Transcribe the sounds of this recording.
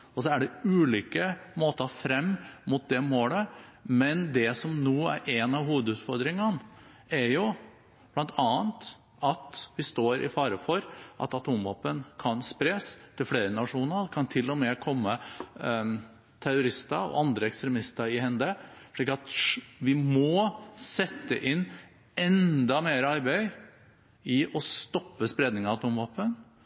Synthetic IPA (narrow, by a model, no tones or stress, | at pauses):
ɔs̬ɔæɖɛʉːliːkəmoːt̪əfɾɛmːmʊt̪̚d̪ɛmoːləmɛnd̪ɛsɔmnuːæ̰ɾʔɛnɑʋɦuːʋəd̪ʉːt̪fɔɾd̪ɾɪŋən | æɾjʊ | b̥lɑnt̪ʰɑːənt̪ | ɑt̪ʋɪst̪oːɾʔɪ̰fɑːɾəfɔɾʔɑ̰t̪ɑt̪ʰuːmʋɔpːənkʰɑnspɾeːst̪ʰɪlfleːɾənɑʂuːnəɾd̪ɛkʰɑnt̪ʰɪlːɔmɛkʰɔmːə | t̪ʰæɾʊɾɪst̪əɾɔ̰ʔɑnd̪ɾəɛkst̪ɾɛmɪst̪əɾɪhɛnd̪əʂɭiːkɑt̪ʋɪmɔsɛt̪ːə̰ʔɪnː | ɛnd̪ɑmeːɾəɑɾbæɪ | ɪʔɔst̪ɔpːəspɾeːd̪nɪŋɑɑt̪ʰuːmʋɑːpːən